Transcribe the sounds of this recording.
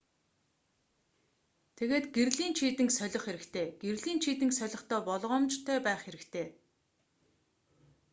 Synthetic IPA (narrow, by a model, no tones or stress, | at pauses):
t̪ʰeɣeːt̪ɡerɮiːnt͡ɕʰiːt̪ɘ̆ŋksœɮʲɞ̆χxeɾɘ̆kt̪ʰeːɡ̥erɮiːnt͡ɕʰiːt̪ɘ̆ŋksœɮʲɞ̆χt̪ʰœːpɔɮʁɔːmt͡ɕt̪ʰœːpæːχxeɾɘ̆kt̪ʰeː